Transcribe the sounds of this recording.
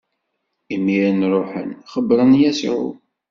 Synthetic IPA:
imːiɾənɾˤʊħə̰nχəbɾˤənjæsḭʕṵ

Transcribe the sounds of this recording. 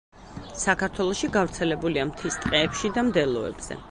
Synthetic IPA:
sakʰaɾt̪ʰwɛlˠɔʃiɡavɾt̪sʰɛlɛbuliamt̪ʰist̪ʼqʼɛːpʃid̪amd̪ɛlˠɔɛ̰bz̥ɛ̰

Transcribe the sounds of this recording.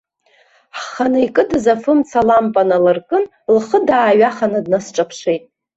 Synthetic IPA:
ħχanɨikʼɨdɨzafɨmt͡sʰalampʼanalarkʼɨn | lχədaːɥaχanɨdnasʈ͡ʂʼapʰʂejtʼ

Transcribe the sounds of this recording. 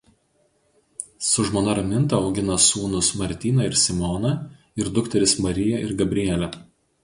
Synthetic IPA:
sʊʒmoːnɐɾɐmʲɪnt̪ɐɒʊɡʲɪnɐsuːnʊsmɐɾʲt̪ʲiːnɐɪɾsʲɪmɔnɐ | ɪɾd̪ʊkt̪ʲɛɾʲɪsmɐɾʲɪjɛʔɪɾɡɐbʲɾʲɪjɛlʲɛ

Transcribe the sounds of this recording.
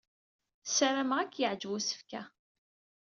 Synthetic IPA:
sæɾæmʁakːjəʕd͡ʒwusə̥fkæ

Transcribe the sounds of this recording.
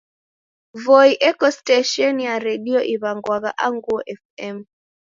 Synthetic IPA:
vɔiʔɛkɔstaʃɔnjaɾɛɗiɔʔiβaŋɡwaɣaʔaŋɡuɔʔɛfɛm

